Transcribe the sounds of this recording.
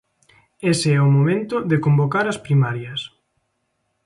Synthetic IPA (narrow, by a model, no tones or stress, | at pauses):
eseɛʊmomẽnt̪ʊðekombokaɾɐspɾimaɾjɐs